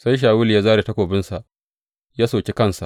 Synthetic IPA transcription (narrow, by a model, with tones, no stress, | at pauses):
sa˦jʃ̬aː˨wʊ˦li˨jaː˦zaː˦ɾe˨tɐ˦kʷoː˨bɪ˦nsa˨ʔ | jaː˦soː˨kʲe˦kɐ˦nsa˨ʔ